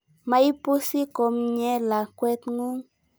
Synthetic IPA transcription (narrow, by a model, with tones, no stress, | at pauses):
ma˦i˦pu˦si˦ko˨mɲɛ˦la˨kwɛ˦t̪ŋu˦ŋ